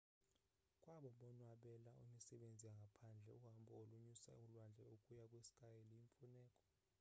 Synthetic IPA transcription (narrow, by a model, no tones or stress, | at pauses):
kʼwaɓɔɓɔnwaɓɛlaʔṵmisɛɓend͡zʱiaŋɡʱapʰand͡ɮʱɛuɦambɔoluɲisa̰ulwand͡ɮʱɛukʼujakʼwesi̥kʼajelijiɱfunɛːkʼɔ̥